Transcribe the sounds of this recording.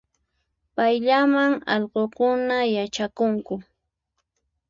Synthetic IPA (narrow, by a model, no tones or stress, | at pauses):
pajʎamaŋɑ̰ʎɢokʊnajat͡ʃakʊŋkʊ